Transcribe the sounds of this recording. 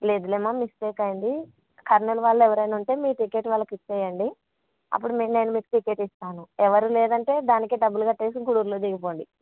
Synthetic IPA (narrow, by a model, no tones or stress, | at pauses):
le̞ːd̪ulemaːmisʈeːkɐjind̪i | kʰɐɾnɐluʋaːɭːuɛʋɐɾɐjnuɳʈe̞ːmiːʈikeʈʋaːlːɐkit͡ʃːeːjɐɳɖi | ɐ̰pːuɽumːne̞ːnumiːku̥ʈike̞ːʈist̪aːnuɛʋɐɾuleːd̪ɐɳʈe̞ːd̪aːnikiɖɐbːuluɡɐʈːeːs̬iɡuɽuːɾloːd̪iɡipo̞ːɳɖi